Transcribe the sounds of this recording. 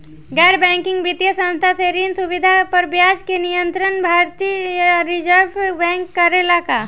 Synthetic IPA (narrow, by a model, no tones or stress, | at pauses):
ɡɛːɾbɛ̃ːŋkɪ̃ŋɡbɪt̪jəsə̃nst̪ʰaseɾiːnsʊbɪd̪ʱapɐɾbjaːd͡ʒkenijə̃nt̪ɾənbʱaːɾt̪iːjɾɪd͡ʒəɾbbɛ̃ːŋkːɐɾelaka̰